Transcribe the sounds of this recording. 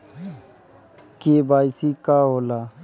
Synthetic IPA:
keːbaːɪsiːkaːɦoːlaː

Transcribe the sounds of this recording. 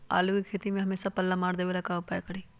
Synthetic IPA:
a̰ːlukikʰeːt̪imẽɦɐmeːsapɐlːamaːɽd̪eːʋelɐkaːopajkɐɽiː

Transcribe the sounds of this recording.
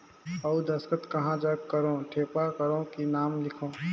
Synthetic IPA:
əud̪əskət̪kəɦãd͡ʒaɡkəɾõːʈʰeːpakəɾõkinaːmlɪkʰõː

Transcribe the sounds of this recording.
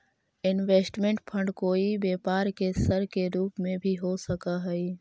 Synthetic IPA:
ɪnweːsʈmẽɳʈpʰə̃ɳɖkoːibeːpaːɾkesəɾkeɾuːpmẽbʱiɦosəkaɦɛi

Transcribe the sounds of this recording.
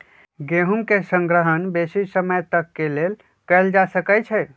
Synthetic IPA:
ɡeɦumkesə̃ŋɡɾəɦənbesisəməjt̪əkːelel | kəld͡ʒasəkət͡ʃʰɛ

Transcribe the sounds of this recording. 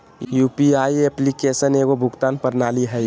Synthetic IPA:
jupiaieplikesəneɡobʱʊɡt̪aːnpəɾnaːliɦɛj

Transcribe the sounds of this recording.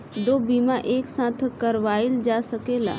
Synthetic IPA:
d̪oːbiːmaʔeːksãːt̪ʰkɐɾʋaːɪld͡ʒaːsəkeːla̰ː

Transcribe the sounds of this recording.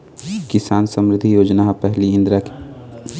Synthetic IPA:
kɪsaːnsəmɾɪd̪ʱijoːd͡ʒnapɛɦliɪ̃nd̪ɾək

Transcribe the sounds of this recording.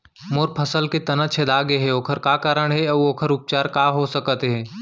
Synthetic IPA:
moːɾpʰɐsəlket̪ɐnət͡ʃʰed̪aːɡeɦɛoːkʰəɾkaːkaːɾəɽ̃ɦɛɐoːkʰəɾʊp̚t͡ʃaːɾkaɦosɐkət̪ɦɛ̃ː

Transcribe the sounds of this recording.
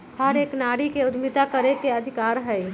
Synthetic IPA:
həɾeːknaːɽikeʊd̪mɪt̪akəɾekeɐd̪ʱɪkaːɾɦɛi

